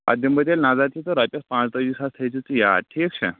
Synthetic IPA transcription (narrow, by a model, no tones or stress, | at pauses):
a̰d̪jəmbəd̪elnad͡zat̪it̪oɾapʲjaspãt͡st̪əd̪isast̪ʰəjt͡sit͡səja̰d̪̚ʈʰiːkɕʰɛ̰